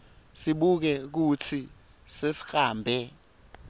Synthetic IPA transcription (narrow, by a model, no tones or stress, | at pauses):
siɓuk̬ɛk̬ut͡sʰi | sesi̥xaːmbʱɛ